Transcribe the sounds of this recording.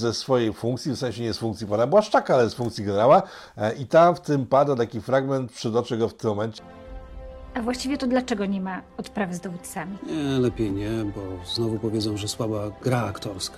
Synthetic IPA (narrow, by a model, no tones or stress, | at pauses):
zɛsfɔjejfũŋkt̪sʲifsɛ̃ɕɛɲɛsfuŋkt̪sʲjipanabɘwaʂt͡ʂakaalɛɛsfũŋkt̪sʲjiɡɛnɛɾawa | ʔit̪amft̪ɘmpad̪at̪akʲifɾaɡmɛnt̪̚pʂɨd̪ɔt͡ʂɘɡɔft̪ɪmːɔmɛnt͡ɕɛ | avwaɕt͡ɕivʲjɛt̪ɔd̪lat͡ʂɛɡɔɲɛmaɔt̪pɾavɘzd̪ɔvut̪samʲiɲɛlɛpʲjejɲɛbɔznɔvupɔvʲjɛd̪zɔ̃wʐɛswabaɡɾaːkt̪ɔɾska